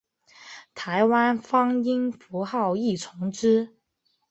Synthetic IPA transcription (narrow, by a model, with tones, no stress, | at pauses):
t̪ʰa˧˥ɪwa˥nfɑ˥ŋi˥ŋfu˧˥xɑ˥˧ʊi˥˩t͡sʰʊ˧˥ŋʈ͡ʂɻ̩˥